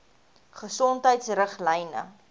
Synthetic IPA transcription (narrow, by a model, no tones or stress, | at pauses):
χəsɔntɦəjtsrəχlɛjnə̰